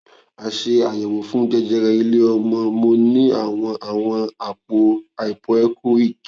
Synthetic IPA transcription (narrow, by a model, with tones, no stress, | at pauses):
a˨ʃe˧a˨jɛ˨wõ˨fũ˦d͡ʒɛ˧d͡ʒɛ˧ɾɛ˧i˧le˦ɔ˧mã˧˦mo˧˦nĩ˦a˦˨w̃ɔ̃˧ʔa˨w̃ɔ̃˧a˨k͡po˧a˨i˨k͡pɔ˨ɛ˦kʰo˦i˦˨k